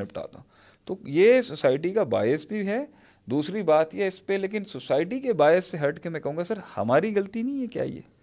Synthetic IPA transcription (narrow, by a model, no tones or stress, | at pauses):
ẽpɐʈa̰ːt̪a | t̪oːjeːsosaːɪʈ̬ikaba̰ːjɪsbʱiɦɛ | d̪uːsɾibaːt̪ɦiɦɛɪspeleːk̬ɪnsosaːɪʈ̬ikebaːjɪsːeɦɐɾʈkemɛ̃kɐɦũːŋɡasɐɾhɐ̰maːɾiɣɐlt̪inɐ̃ĩɦɛkja̰ːḭjḛː